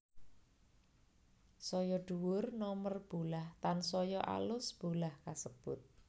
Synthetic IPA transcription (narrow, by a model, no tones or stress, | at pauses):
sɔjɔɖ̪̥uwʊrnɔmərb̥olaht̪ansɔjɔʔa̰lʊsb̥olahkasəb̥ʊt̪̚